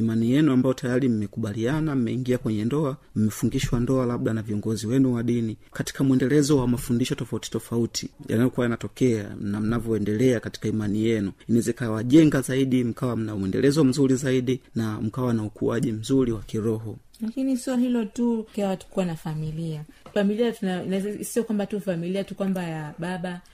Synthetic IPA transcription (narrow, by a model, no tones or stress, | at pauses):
imanijɛnuambajɔtajaɾim̩mɛkuɓalianam̩mɛiŋɡiakwɛɲɛndɔam̩mɛfuŋɡiʃwandɔalaɓɗanaviɔŋɡɔziwɛnuwaɗinikati̥kamwɛndɛlɛzɔwamafundiʃɔtɔfauti̥tɔfautʰija̰najɔkuwajanatɔkɛa̰nam̩navjɔɛndɛlɛakati̥kaimanijɛnuinɛzɛikawaʄɛŋɡazaiɗim̩kawam̩namuwɛndɛ̰lɛzɔm̩zuɾizaiɗinam̩kawanaukuaʄim̩zuɾiwakiɾɔɦɔ | lakinisiɔɦilɔtukawatu̥kuwanafamilia | familiatunansiɔkwambatufamiliatukwambajaɓaɓa